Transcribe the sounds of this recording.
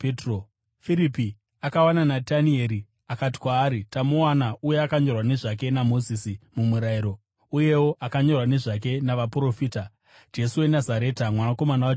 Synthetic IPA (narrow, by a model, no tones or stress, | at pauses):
petro | fiɾipi | akawananatanie̞ɾi | akati̥kwaːɾitamowanaujeakaɲo̞rwane̞ʐak̬e̞namo̞zisimumuɾaiɾo̞ | uje̞wo̞ʔakaɲo̞rwane̞ʐak̬e̞naʋapuɾo̞fiːta | d͡ʒe̞suwe̞nazaɾe̞ːtamwanako̞manawa